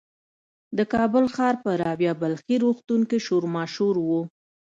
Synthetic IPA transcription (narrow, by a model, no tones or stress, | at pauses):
d̪əkɑbʊlxɑɾpəɾɑwjɑbalxiɾuxt̪uŋkiʃoɾmɑʃuɾwu